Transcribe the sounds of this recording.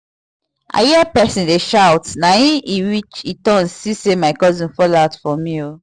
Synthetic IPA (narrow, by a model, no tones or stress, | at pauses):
ʔa̰jiɛpɛsĩndeʃawtnajĩiɹit͡ʃitɔ̃nssisemaɪkɔzĩnfɔlaʊtfɔmĩo